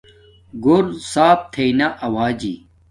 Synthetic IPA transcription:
ɡuɾsaːp̚t̪ʰeinaʔɐwaːd͡ʑḭː

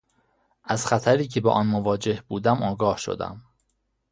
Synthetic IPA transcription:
ʔæzxæt̪ʰæɾiːcʰe̞bḛʔɒːnmovɒːd͡ʒe̞hbuːd̪æmʔɒːɡɒːhʃo̰d̪æ̰m

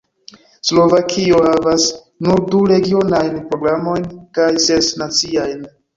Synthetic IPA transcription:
slo̞vakʰio̞havas | nuɾduɾe̞ɡio̞najnpɾo̞ɡɾamo̞jnkajsesnat͡siajn

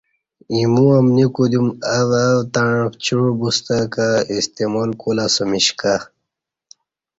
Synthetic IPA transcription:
imuamnikud̪umawawt̪aɻft͡ɕuɻubust̪akaist̪emolkulasomiɕka

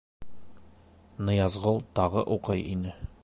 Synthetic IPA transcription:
nɤ̆jɑzʁɤlˠt̪ɒʁɤʔuqɤjḭnɘ

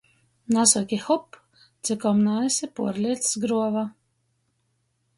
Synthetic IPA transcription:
nasɔkʲixɔp | d̪z̥ʲɨkɔmnajisʲipuɔɾlʲiɛt̪ssɡɾuɔva

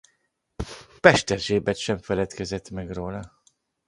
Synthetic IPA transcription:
pɛʃt̪ɛrʒeːbɛt̪ʃɛɱfɛlɛt̪kɛzɛt̪mɛɡroːlɒ

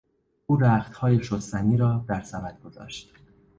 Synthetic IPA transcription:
uːɾæːxt̪hɒːjeʃost̪æniːɾɒːd̪æɾsæbæt̪̚ɡ̥o̞zɒ̰ːʃt̪

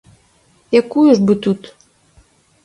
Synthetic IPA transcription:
jakujuʐbɨt̪ut̪

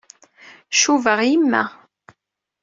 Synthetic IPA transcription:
ʃuvəʁimːæ̰

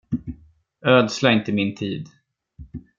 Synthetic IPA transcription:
øːd̪slaɪnt̪əmɪnt̪ʰḭːd̪

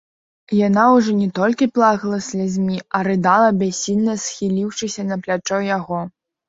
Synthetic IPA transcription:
janawʐɔnʲɛt̪ɔlʲkʲiplˠaɣɐlˠɐsʲlʲazʲmʲiɐɾɨd̪alˠɐbʲasʲːilʲnɐsxʲilʲiwʂɨsʲɐnɐplʲat͡ʂɔjaɣɔ

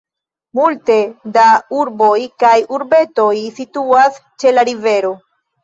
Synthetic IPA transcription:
multe̞dauɾbo̞jkajuɾbe̞to̞jsituast͡ʃe̞laɾive̞ɾo̞

